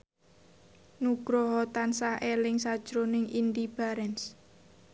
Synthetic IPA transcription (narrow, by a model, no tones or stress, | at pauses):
nuɡ̥ɾɔɦɔt̪ansahelɪŋsad̥ʒ̥ɾonɪŋind̪ib̥aɾɛns